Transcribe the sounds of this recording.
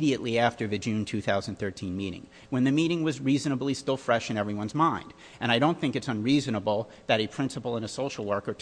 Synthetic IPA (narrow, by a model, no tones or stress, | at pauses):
ɾiɨʔˡliæftə˞ðɨd͡ʒʉ̃ntʰʉθaʊz̃n̩θɜ˞tʰĩnmiɾɪ̰̃ŋ | wɨ̃nðɨmiɾɪ̃ŋwʌzɹizɨnəblˠistɪlˠfɹɛʃɨ̃ñɛvɹiwʌ̃nzmãɪ̃nd̥ | ʔɨ̃ɾ̃aɪɾõʊ̃nθɪ̃ŋkɨtsʌ̃nɹizɨnəbl̩ˠ | ðɨɾɨpʰɹ̥ɪ̃nsəpl̩ˠə̃nəsoʊʃl̩ˠwɜ˞kə˞tʰ